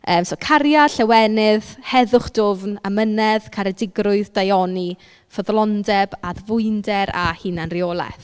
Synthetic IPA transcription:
əːmsokʰaɾjaɬɛwɛnɪðhɛðʊχd̥ʊvnamənɛðkʰaɾɛdɪɡrʊɨðdajɔni | fəðlˠɔndɛbaðvʊɨndɛɾa̰hɪnanrioːlˠɛ̰θ

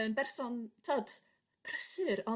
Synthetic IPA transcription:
ənbɛrsɔntʰoːd̥ | pʰrəsɨɾɔ

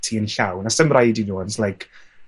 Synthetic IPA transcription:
tʰiənɬawnasəmrajdinuənzlajkʰ

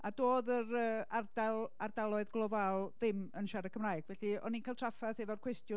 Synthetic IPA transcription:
adoːðəɾəːard̥alˠardalˠɔɨðɡlˠɔvalˠðɪmənʃaɾəkʰəmrajɡ̥vɛɬiɔ̰ninkʰalˠtʰr̥afaθɛvɔrkʰwɛstjʊ

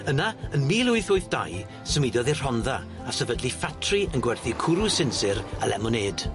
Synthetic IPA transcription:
ənaənmiːlˠʊɨθʊɨθd̥a̰j | səmidɔðɪr̥ɔnða | asəvədlifatʰriənɡwɛrθikʰʊɾusɪnsɪɾa̰lɛ̰mɔneːd̥

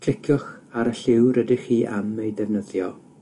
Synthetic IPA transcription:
kʰl̥ɪkʰjɔχaɾəɬɪwɾədɪχiːʔa̰mːejdɛvnəðjɔ

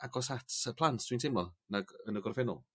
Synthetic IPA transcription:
aɡɔsatʰəpʰlˠantʰd̥ʰwintʰɪmlɔnaɡənəɡɔrvɛnʊ̰lˠ

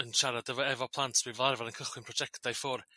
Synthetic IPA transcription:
ənʃaɾadəvɔɛvɔpʰlˠantʰb̥ivlˠarvanənkʰəχwɪnpr̥ɔd͡ʒɛktajfɔr

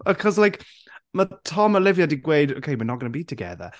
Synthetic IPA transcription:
əkʰɔzlajk | mətʰɔməlɪvjadiɡwejdo̰wkʰejmɨnɔɡənəbiːtʰəɡɛ̰ðə̰

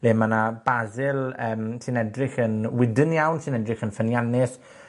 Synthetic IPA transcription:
leːmanab̥azɪlˠəːmsɪnɛdrɪχənwɪdɪnjawnsɪnɛdrɪxənfənjanɪs

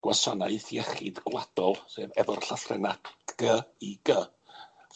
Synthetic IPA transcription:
ɡ̥wasɔnaɨθjɛχɪdɡlad̥ɔlˠseːvɛvɔrɬafrɛ̰naɡ̥əiɡ̥ə

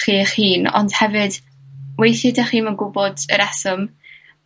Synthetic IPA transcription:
χiːχhiːnɔ̰nd̥hɛvɨd̥ | wejθɨdaχiːmənɡʊbɔdə̰ɾasɔm

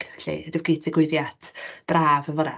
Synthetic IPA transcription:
ɬḭdɪvɡiːdðɪɡwɪɾjatʰb̥raːvənvɔɾɛ̰

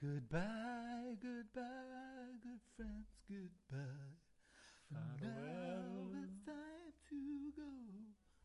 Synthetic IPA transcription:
ɡ̥ʊd̚baɪɡʊd̚baɪɡʊd̥fɹɛ̃ndz̥ɡ̥ʊd̚b̥a | no | ɨstʰãɪ̃mtʰɨɡoʊ

